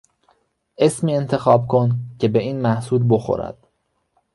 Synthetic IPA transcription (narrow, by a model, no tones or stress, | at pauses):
ʔe̞smiːe̞nt̪ʰe̞xɒːbkʰoncʰe̞be̞iːnmæhsuːlbo̞xo̰ɾæ̰d̪̥